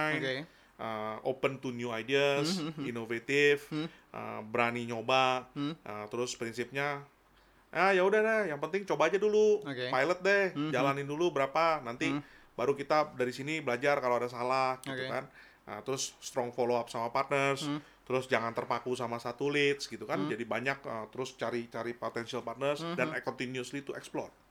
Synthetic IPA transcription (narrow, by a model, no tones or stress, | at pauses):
jn | ʔəo̰pənt̪unjuajdiasinovet̪ɪfʔə̰bəɾaniɲobaʔət̪əɾʊspɾinsɪp̚ɲa | ajaudahdɛhjaŋpənt̪ɪŋt͡ʃobaːd͡ʒaduluokepajlət̪̚dɛhd͡ʒalanɪndulubəɾapanant̪i | baɾukit̪adaɾisinibəlad͡ʒarkaloadas̬alahɡ̪ukan | ʔə̰t̪əɾʊsːt̪ɾɔŋfoloap̚samapart̪̚nərs | t̪əɾʊsd͡ʒaŋant̪ərpakusamasat̪ulɪt̪sɡit̪ukand͡ʒadibaɲak̚ət̪əɾʊst͡ʃaɾit͡ʃaɾipot̪ɛnsialpart̪nərsdanajkɔnt̪injuʊslit̪uɛ̰ksplɔ̰t̚